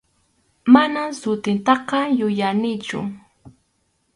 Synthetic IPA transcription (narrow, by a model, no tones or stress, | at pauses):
manasʊt̪ɪnt̪ɑqɑjʊjanɪt͡ʃʊ̰